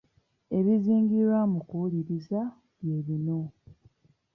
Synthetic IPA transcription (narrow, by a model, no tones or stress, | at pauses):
e̞βiziːŋɡiɾwamukuliɾiza | βjeːβino̞